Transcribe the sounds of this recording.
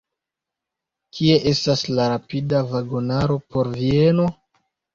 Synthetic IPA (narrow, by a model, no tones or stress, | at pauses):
kʰie̞ʔe̞staslaɾapidavaɡo̞naɾo̞po̞ɾvie̞no̞